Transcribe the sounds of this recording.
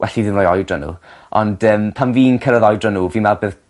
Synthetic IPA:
wɛ̰ɬiðɨnrɔːjɔjdranṵːɔ̰nd̥əːmpʰanviːnkʰəɾəðɔjdranuːviːnmɛlbeːð

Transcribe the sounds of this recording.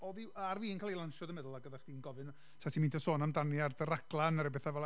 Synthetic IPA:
ɔðiarviːənkʰalˠejlˠanʃɔdəmɛðʊlˠaɡəðaχd̥iːnɡɔvɨn | sʰatʰimintʰɔsoːnamdanjardəɾaɡlˠanəɾɛbɛθavɛla

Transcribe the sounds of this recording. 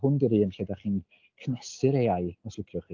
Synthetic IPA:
hʊndəɾiːəmɬɛdaχiːn | kʰnɛsɨɾejaɨnaswɪkʰrɔχi

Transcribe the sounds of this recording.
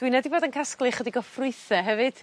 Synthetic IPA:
d̥winɛdiboːdənkʰasklˠɨχədiɡɔfrʊɨθɛɦɛvɨd̥

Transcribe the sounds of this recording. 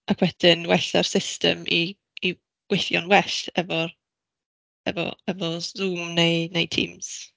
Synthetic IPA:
ʔakʰwɛd̥ɪnwɛɬar̥sɪstə̰mʔiː | ɡwɪθjɔ̰nwɛɬɛvɔ | ɛ̰vɔ̰ɛvɔzuːmnejnejtʰḭːmz̥

